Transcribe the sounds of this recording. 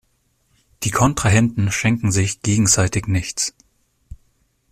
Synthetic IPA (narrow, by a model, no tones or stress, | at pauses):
d̥iːkʰɔntʁ̥aɦɛntn̩ʃɛŋkŋ̩zɪçɡ̥eːɡŋ̩zaɪtɪçnɪçt͡s